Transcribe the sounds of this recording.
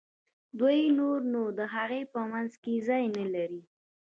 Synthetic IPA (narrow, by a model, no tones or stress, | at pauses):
d̪wujnoɾnod̪əɦaɣepəmanzkezɑjnəlaɾi